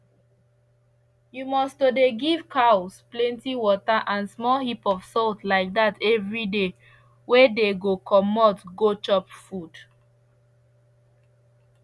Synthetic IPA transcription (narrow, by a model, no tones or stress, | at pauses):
jumɔstodeɡivkʰaʊsplɛ̃ntiwɔtaʔãnsmɔlhipɔv̥sɔltlaɪk̚datʰɛvɹide | wedeɡokʰɔmɔtɡot͡ʃɔpfud̥